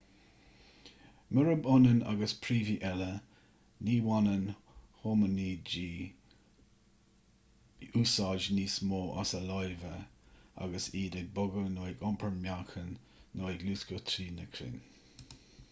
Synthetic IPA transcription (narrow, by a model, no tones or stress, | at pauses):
mɪɹəbʊnəna̰ɡəspʰɾiːviʔɛlə | niːwanən | hoːməniːd͡ʒiː | uːsɑʒniːsmoːʔa̰səlɔjvəa̰ɡəsiːdɛɡ̚bʊɡənoːɪɡɔmpʰəɹmjakʰənː | oːɪɡluːskət̪ʰɾiːnəkʰɾɪ̰n